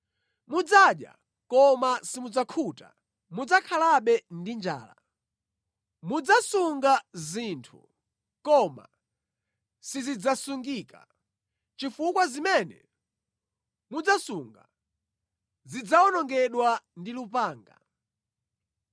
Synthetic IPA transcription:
mud͡zaɗja̰ | kɔmasimud͡zakʰuta̰ | mud͡zakʰalaɓɛndind͡ʒa̰ːla̰ | mud͡zasuŋɡazintʰṵ | kɔma̰ | sizid͡zasuŋɡiːka̰ | t͡ʃifukwazimɛnɛ̰ | mud͡zasuŋɡa̰ | zid͡zaɔnɔŋɡɛɗwandilupaːŋɡa̰

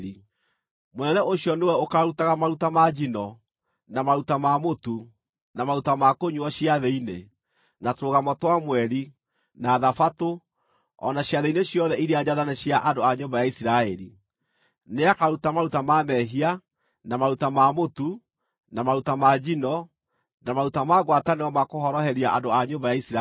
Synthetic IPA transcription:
i | monɛnɛʔoɕjɔnewɛokaɾutaɣamaɾutamad͡ʑinɔ | namaɾutamamotu | namaɾutamakoɲuɔɕjaðeine | natoɾoɣamɔtwamwɛɾi | naðafato | ɔ̰naɕjaðeineɕjɔðɛiɾeaɲaðanaɕiaʔandoaɲoːmbajaisiɾaɛɾi | neakaɾutamaɾutamamɛɦia | namaɾutamamotu | namaɾutamad͡ʑinɔ | namaɾutamaɣwataneɔmakohɔɾɔhɛɾiaʔandoaɲombajaisɾa

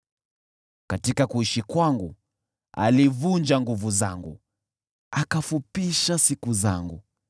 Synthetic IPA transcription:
katikakuiʃikwaŋɡu | a̰livund͡ʒaŋɡuvuza̰ŋɡṵ | akafupiʃasikuza̰ŋɡṵ

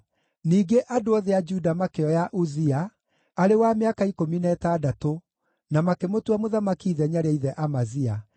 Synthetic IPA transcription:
niːɡeʔadoɔðead͡ʒudamakeɔjaʔuziaː | ɾewameakaikominɛːtaːdato | namakemotwamoðamakiːðɛɲaɾeaiðɛʔamazia

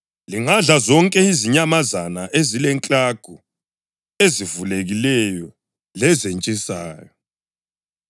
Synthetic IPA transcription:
liŋaɮazɔŋkʼɛiziɲamazanaʔezilɛŋkʼaɡ̥ʱu | ezivuleɣilɛjɔ | lɛzent͡ʃʼisa̰ːjɔ

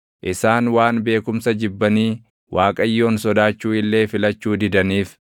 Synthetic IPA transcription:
ʔɪsaːnwaːnbe̞ːkʊmsɐd͡ʒɪbːɐniː | wʔaːkʼɐjːo̞ːnsɔd̪aːt͡ʃːuːɪlːe̞ːfɪlɐt͡ʃːuːd̪ɪd̪ɐniːf

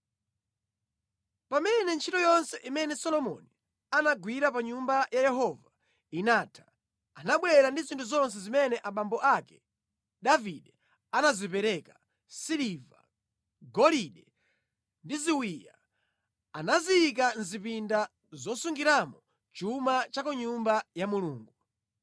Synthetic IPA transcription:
pamɛnɛnt͡ʃʰitɔjɔnsɛʔimɛnɛsɔlɔmɔ̰ni | anaɡwiɾapaɲumbajajɛɦɔva | inaːtʰḁ | anaɓwɛɾandizintʰuzɔnsɛzimɛnɛʔaɓambɔʔakɛ̥ | ɗaviɗɛ | anazipɛɾɛkḁ | siliva̰ | ɡɔliɗɛ | ndiziwija | anaziik̬anzipinda | zɔsuŋɡiɾamɔ | t͡ʃumat͡ʃakuɲumbajamuluːŋɡu

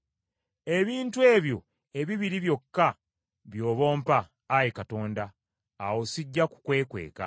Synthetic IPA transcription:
e̞βiːntue̞ːβjo̞ | e̞βiβiɾiβjo̞kːa | βjo̞ːβo̞ːmpaː | jekato̞ːndaː | wo̞siɟːaku̥kwe̞ːkwe̞̰ːka̰

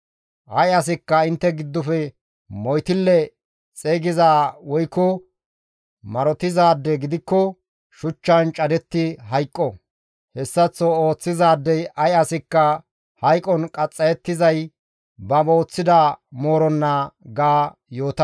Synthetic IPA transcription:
ʔɐjɐs̬ɪkːɐɪnt̪ːɛɡɪd̪ːʊfɛ | mɔjt̪ɪlːɛ | t͡sʼeːɡɪzaːwɔjkːɔ | mɐɾɔt̪ɪzaːd̪ːɛɡɪd̪ɪkːɔ | ʃʊt͡ʃːɐnt͡ʃʼɐd̪ɛt̪ːɪɦɐjkʼːɔ | hɛsːɐt͡sːɔoːt͡sːɪzaːd̪ːɛjɐjɐsɪkːɐ | hɐjkʼɔnkʼɐt͡sʼːɐjɛt̪ːɪzɐj | bɐboːt͡sːɪd̪amo̞ːɾɔnːɐɡaːjo̞ːt̪ɐ

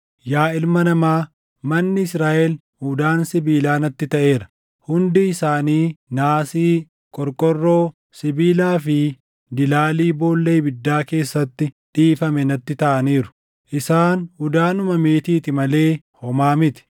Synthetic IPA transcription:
jaːɪlmɐnɐmaː | mɐnːɪɪsɾaːʔɛl | hʊd̪aːnsɪbiːlaːnɐt̪ːɪt̪ɐʔe̞ːɾɐ̥ | hʊnd̪ɪɪsaːniːnaːsiː | kʼɔɾkʼɔrːo̞ː | sɪbiːlaːfɪ | d̪ɪlaːliːbo̞ːlːejbɪd̪ːaːke̞ːsːɐt̪ːɪᶑ̪iːfɐmɛnɐt̪ːɪt̪ɐʔɐniːɾʊ̥ | ʔɪsaːnhʊd̪aːnʊmɐme̞ːt̪iːt̪ɪmɐle̞ː | hɔmaːmɪt̪ɪ̥

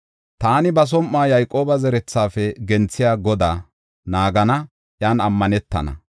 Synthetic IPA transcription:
t̪aːnɪbɐs̬ɔmʔːaːjɐjkʼo̞ːbɐzɛɾɛt͡sːaːfɛɡɛnt͡sːɪjaːɡɔd̪aː | naːɡɐnɐ | ʔjaːnɐmːɐnɛt̪ːɐ̰nɐ̰

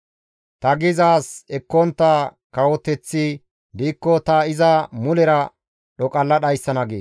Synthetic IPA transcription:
t̪ɐɡɪzaːsɛkːɔnt̪ːakɐwɔt̪ɛt͡sːɪ | d̪iːkːɔt̪ɐɪzɐmʊlɛɾɐ | ɗɔkʼɐlːɐɗɐjsːɐnɐɡḛː

